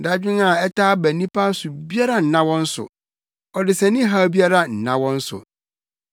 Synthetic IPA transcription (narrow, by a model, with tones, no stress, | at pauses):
da˦d͡ʑᶣɪ̃˦na˨ɛ˦tʰaː˦bæ˨nĩ˦pʰa˦sʊ˨bi˦a˦ɾa˦n̩˨nã˦wɔ̃˦n̩˦sʊ̰˨ | ɔ˨dɪ˨sɛ̃˨nɪ̃˦ɦa˦bi˦a˦ɾa˦n̩˨nã̰˦wɔ̃˦n̩˦sʊ̰˨